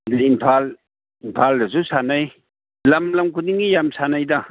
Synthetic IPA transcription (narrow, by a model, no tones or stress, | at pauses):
deimpʰal | impʰaldɐzusanaj | lɐmlɐmkuniŋijamsanajdɐ